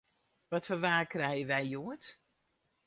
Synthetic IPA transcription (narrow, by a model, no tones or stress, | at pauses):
ʋɔtfɔnʋaːkrɛjəʋɛjjuət